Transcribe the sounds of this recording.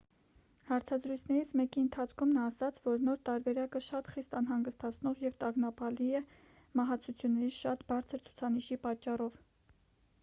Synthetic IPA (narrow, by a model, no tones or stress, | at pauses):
hɑɾt͡sʰɑzɾujt͡sʰnɛɾit͡sʰmɛkiənt̪ʰɑt͡sʰkʰumnɑːsɑt͡sʰvɔɾnɔɾt̪ɑɾbɛɾɑkəʃɑt̪χist̪ɑn̪ɦɑŋɡəst̪ɑt͡sʰnɔʁjɛvt̪ɑɡnɑpɑliɛ | mɑɦɑt͡sʰut͡sʰjunːɛɾiʃɑt̪bɑɾt͡sʰəɾt͡sʰu̥t͡sʰɑniʃipɑt͡ʃːɑrɔv